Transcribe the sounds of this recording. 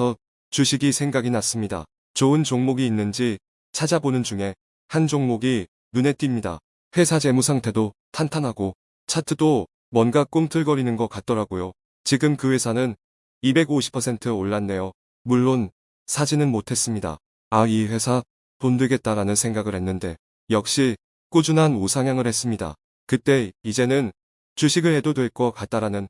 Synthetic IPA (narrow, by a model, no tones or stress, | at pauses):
ʌ | t͡ɕuɕʰiɡisʰe̞ŋɡaɡinas͈ɯmɲida̰ | t͡ɕoɯnt͡ɕoŋmoɡiːnːɯnd͡ʑi | t͡ɕʰad͡ʑabonɯnd͡ʑuŋe̞ | hand͡ʑoŋmoɡi | nune̞t͈ɥimɲida̰ | ɸwe̞sʰad͡ʑe̞musʰaŋtʰe̞dotʰantʰanɦaɡo | t͡ɕʰatʰɯdo | mwʌnɡak͈oŋtʰɯɭɡʌɾinɯnɡʌk͈at̚t͈ʌɾaɡojo | t͡ɕiɡɯmkɯwe̞sʰanɯn | ibe̞ɡoɕʰi̥pʰːʌsʰe̞ntʰɯoɭːanːe̞jo | muɭːon | sʰad͡ʑinɯnmotʰe̞s͈ɯmɲida̰ | aiɸe̞sʰa | pondeɡe̞t̚t͈aɾanɯnsʰe̞ŋɡaɡɯɭhe̞nːɯnde̞ | jʌk̚ɕ͈i | k͈ud͡ʑunɦanosʰaŋjaŋɯɭhe̞s͈ɯmɲida̰ | kɯt͈e̞id͡ʑe̞nɯn | t͡ɕuɕʰiɡɯɭhe̞dodwe̞ɭk͈ʌkat̚t͈aɾanɯn